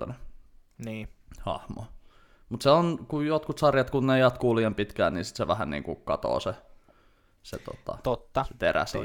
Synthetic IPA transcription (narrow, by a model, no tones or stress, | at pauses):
ɑne | niːhɑ̰hmo̰ | mut̪seonkujot̪kut̪sɑrjɑt̪kunneijɑt̪kuːliːɑmpit̪kæ̰ːnnḭːnsi̥t̪seʋæhænnḭːŋkukɑt̪o̰ːse | sḛt̪o̰t̪ɑ̰t̪ot̪ːɑt̪eɾæ̰sḭ